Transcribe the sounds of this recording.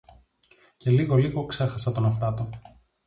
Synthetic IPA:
ce̞liɣo̞liɣo̞ksexɐsɐt̪o̞nɐft̪ɐt̪o

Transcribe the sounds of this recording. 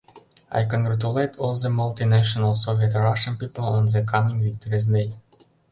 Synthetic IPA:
ʔa̰jkɔ̃ŋɡɹatuletʰɔlˠðəmalˠt̪inæʃənəlˠsoviətɹaʃə̃npipəlˠɔ̃nðəkʰamɪ̃ŋvɪk̚tɔɹizneɪd

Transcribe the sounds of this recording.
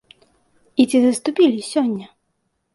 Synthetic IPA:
it͡sʲizɐst̪upʲilʲisʲɔnʲːɐ

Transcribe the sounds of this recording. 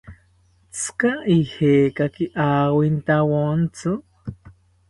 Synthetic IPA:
t͡sʰkaʔiheːkakiʔaːwint̪awont͡sʰɨ

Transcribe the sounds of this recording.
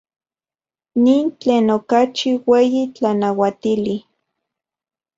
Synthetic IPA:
niːnt͡ɬeːnokat͡ʃiweːjit͡ɬanawat̪ili

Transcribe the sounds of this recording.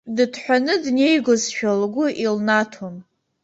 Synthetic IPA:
dɨdʰħʷᶣanɨdne̞jɡozʃᶣalɡʷʊʔilnatʰom

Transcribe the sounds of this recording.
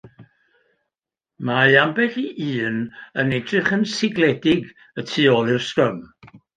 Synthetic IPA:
majambɛɬiʔiːnənɛdrɪχənsɪɡlɛdɪɡ | ətʰiːɔlˠɪrsrəm

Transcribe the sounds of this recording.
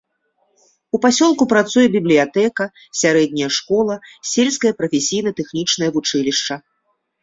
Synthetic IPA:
upasʲɔlˠkupɾat̪sujɛbʲiblʲijat̪ɛkɐ | sʲaɾɛd̪̚ʲnʲɐjɐʂkɔlˠɐsʲelʲskɐjɐpɾɐfʲesʲijnɐt̪ɛxnʲit͡ʂnɐjɐvut͡ʂɨlʲiʂt͡ʂɐ

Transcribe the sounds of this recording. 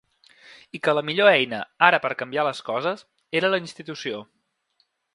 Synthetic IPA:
ikələmiʎoɛjnə̰aɾəpəɾkəmbialəskɔzəs | eɾələinst̪it̪usio

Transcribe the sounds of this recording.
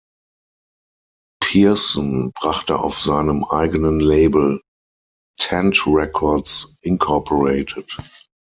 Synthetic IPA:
pʰiɐsɔ̃nbʁaχtə̰a̰ʊfz̥aɪnəmʔa̰ɪɡənənleɪbl̩ | tʰɛ̃ntʁɛkʰɔɐtsʔɪnkʰɔɐpʰɔʁeɪtʰət

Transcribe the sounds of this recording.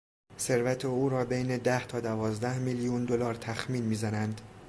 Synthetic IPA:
se̞ɾvæt̪ʰeuːɾɒːbejne̞d̪æht̪ʰɒːd̪ævɒːzd̪æhmilijund̪olɒːɾt̪ʰæxmiːnmiːzænænd̪

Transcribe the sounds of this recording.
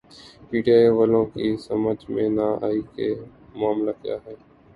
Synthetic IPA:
piːɖijaːjʋəlõːkiːsəməd͡ʒmẽːnaːʔa̰ːiːkeː | mʊaːmlaːkɪja̰ːɦɛː

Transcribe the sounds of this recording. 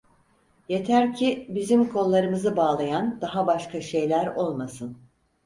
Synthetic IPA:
je̞t̪ʰæɾcʰibizimkʰo̞lˠːaɾɯmɯzɯbaːlˠajand̪aɦabaʃkʰaʃe̞jlʲæɾo̞lˠmasɯn

